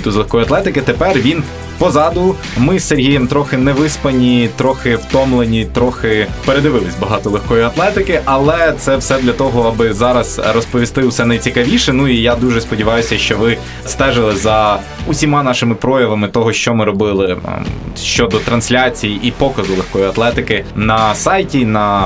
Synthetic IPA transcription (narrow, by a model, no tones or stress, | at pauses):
t̪uzlˠexkɔjʊɐt̪lˠɛt̪ɪkɪt̪epɛrʋʲin | pɔzɑd̪ʊ | mɪseɾʲɦijɐmt̪ɾɔxɪnɛʋɪspɐnʲit̪ɾɔxɪwt̪ɔmlˠenʲit̪ɾɔxɪpeɾed̪ɪʋɪlˠɪsʲbɐɦɑt̪ɔlˠexkɔjiɐt̪lˠɛt̪ɪkɪʔɐlˠɛt̪sɛwsɛd̪lʲɐt̪ɔɦɔɐbɪzɑɾɐzrɔspɔʋʲist̪ɪwsɛnɐjt͡sʲikɐʋʲiʃɛnuijad̪uʒɛspɔdʲiʋɑjʊsʲɐʃt͡ʃɔʋɪ | st̪ɛʒɪlˠɪzɐ | ʊsʲimɑnɑʃɪmɪpɾɔjɐʋɐmɪt̪ɔɦɔʃt͡ʃɔmɪɾɔbɪlˠɪ̰ | ʃt͡ʃɔd̪ɔt̪ɾɐnsʲlʲat͡sʲijiʔipɔkɐzʊlˠexkɔjiɐt̪lˠɛt̪ɪkɪnɐsɑjtʲinɐ